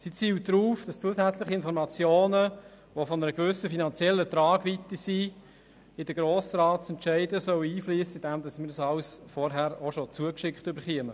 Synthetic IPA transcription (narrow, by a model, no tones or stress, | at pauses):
sit͡siːwdɾuːfd̥ɑst͡suəsæt͡slɪχiɪnfɔɾmɑt͡sjoːnə | ʋofɔnəɾəɡʋʏsəfinɑnt͡sjɛlːət̪ɾɑːɡʋit̪əsi | ɪd̥əɡ̥ɾoːsɾɑːt̚sɛntʃæɪdəsœwəiːfliːsəɪd̥ɛmdɑsmɪːɾsɑwsfɔɾɦæɾoʃot͡suəkʃɪkχtʏbəɾχiəmə